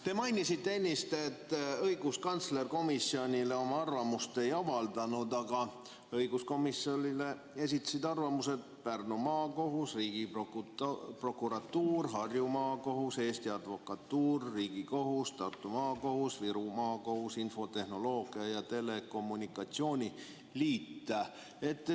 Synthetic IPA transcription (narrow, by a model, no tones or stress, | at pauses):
t̪e̞mɑjnisit̪ːeenʲːist̪e̞t̪ːɤjɡ̥uskɑnt̪sle̞rko̞misːio̞nʲile̞o̞mɑɑrvɑmust̪e̞jɑvɑld̪ɑnud̪ɑɡ̥ɑ | ɤjɡ̥usko̞misːo̞lile̞ | e̞sit̪ːˑɑ̥sid̪ɑrvɑmuse̞d̪̥̚ | pernumɑːko̞ɦusriːɡ̥ipokpro̞kˑuɾɑt̪ːuːrɦɑrjumɑːko̞ɦuse̞ːst̪iɑd̪vo̞kɑt̪ːuːrːiːɡ̥iko̞ɦust̪ɑrt̪ːˑumɑːko̞husviɾumɑːko̞husinfo̞t̪e̞hno̞lo̞ːɡ̥iɑjɑt̪e̞le̞ko̞mːunʲikːˑɑt̪sio̞ːnʲi | liːt̪ːe | e̞t̪ːˑ